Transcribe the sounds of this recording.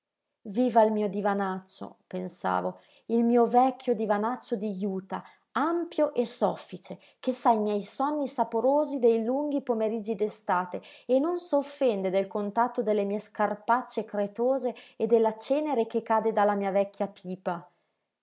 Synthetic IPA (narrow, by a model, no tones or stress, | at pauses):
viːvailmiːod̪ivanat͡ʃːo̰pensa̰ːvo | ilmiːovɛkʰʲːjod̪ivanat͡ʃːod̪ijuːt̪a | ampjoʔesɔfːit͡ʃe | k̟esaimjɛjsɔnːisapoɾoːzid̪ejluŋɡipomeɾid͡ʒːid̪est̪aːt̪eenːonsofːɛnd̪ed̪elkont̪at̪ːod̪elːemiːeskarpat͡ʃːekɾet̪oːzeːd̪ːelːat͡ʃɛːneɾek̟ekːaːd̪ed̪alːamiːavɛkʰːjapʰiːpa